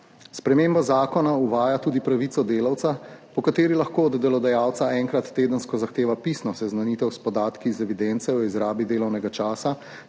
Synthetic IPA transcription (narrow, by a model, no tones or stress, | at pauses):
spɾɛmeːmbazaːkɔnauʋaːjat̪uːd̪ipɾaʋit̪sɔd̪eːlawt̪sapɔkat̪eːɾilɐxkoːɔd̪ːɛlɔd̪ajaːwt̪saɛŋkɾat̪ːeːd̪ənskɔzaxt̪eːʋapisnɔsɛznaniːt̪ɛwspɔd̪aːt̪kizɛʋid̪ɛnt̪sɛɔizɾaːbid̪eːlɔwnɛɡat͡ʃaːsa